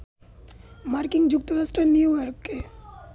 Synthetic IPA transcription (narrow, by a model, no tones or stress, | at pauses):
maɾkɪŋɡd͡ʒʊkt̪əɾasʈɾəniuʋəɾkːe